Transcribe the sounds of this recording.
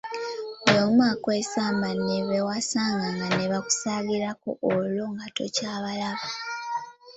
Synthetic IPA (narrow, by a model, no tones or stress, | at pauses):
omwakwesaːmbaneβewasaːŋɡaŋɡaneβaku̥saɡiɾako̰ʔːloŋɡato̞̰caːβalaβa